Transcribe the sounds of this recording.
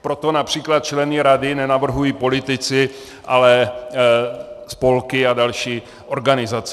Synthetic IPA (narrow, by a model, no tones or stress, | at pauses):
pɾo̞t̪o̞napr̝̥iːklat̪̚t͡ʃlɛnɪɾadɪnɛnavr̩ɦujiːpo̞lɪt̪ɪt͡sɪ | ʔalɛ | spo̞lkɪadalʃiː | ʔo̞ɾɡanɪzat͡s